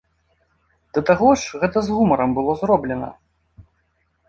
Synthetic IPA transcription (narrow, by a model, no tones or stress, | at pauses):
d̪ɐt̪aɣɔʂɣɛt̪ɐzɣumɐɾɐmbɨlˠɔzrɔblʲɛnɐ̰